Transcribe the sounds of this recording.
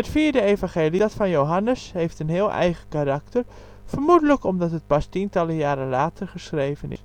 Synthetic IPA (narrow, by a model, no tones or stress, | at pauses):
ɦətfiːɹdəevɑ̃ŋχeːlidɑtfɑnjowɦɑnəsɦejftənɦɪːlˠʔɛ̰jχəkaɾɑk̚tər | fəɹmudələkɔmdɑtɦət̚pɑstintɑləjaːɾənlaːtʰərχəsχrejvənɪ̰s